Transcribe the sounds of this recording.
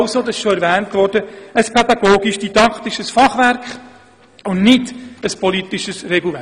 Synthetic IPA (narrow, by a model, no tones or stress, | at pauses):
wsod̪ɑsɪʃʃoɛɾʋɛːntʋɔɾd̥əəspʰɛd̪ɑɡ̥oːɡiʃd̥idɑkʰt̪iʃəsfɑχʋæɾkχ | ʊnnɪdəspʰɔlit̪iʃəsrɛɡl̩ʋɛ